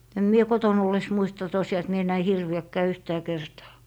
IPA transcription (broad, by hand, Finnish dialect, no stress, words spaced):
em mie koton olːes muistɑ tosij̆ɑː et mie næi hirʋiækːæː yhtæː kertɑː